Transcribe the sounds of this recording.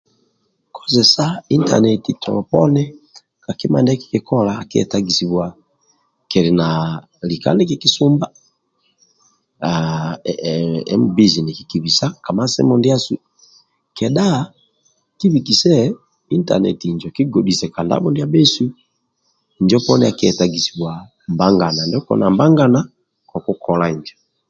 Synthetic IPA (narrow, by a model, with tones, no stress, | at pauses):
kʰɔ̥˦zɛ˨sa˦i˦nta̰˨nɛ˨titʰɔ̰˨ɔ˨pɔ˦nɛ˦ | ka˨ki˦ma˨ndɛ˦ki̥kɛ˨kɔ˦laː˨ki˦ɛ̰˨taɡi˨si˨βwa˨ | kɛ˨ɾi˨na | li˨ka̰˦nɛ˦kiki˦su˦mba˦ | a | ɛ̰˦mbi˦zi˨ni˨ki˨ki˨βi˨sa˦ka˨ma˦sɛ̰˦mɔndi˦a˦su˦ | kɛ˨ɗa˦ | ki˦βiki˨sɛ˦ | i˦nta̰˨nɛ˨tiɲd͡ʒɔ˨ki˦ɡɔ˨di˨sɛ˨ka˨nda̰˦bɔ˦ndi˦a˦bɛ˦su˦ | ɲd͡ʒɔ˦pɔnɛa˨kiɛ˨taɡi˨si˨βwa˨ | mba˦ŋɡa˨na˨ndɛ˦kɔ̰na˨mba˦ŋɡa˦na˦ | kɔ˨ku˦kʰɔ˨laiɲd͡ʒɔ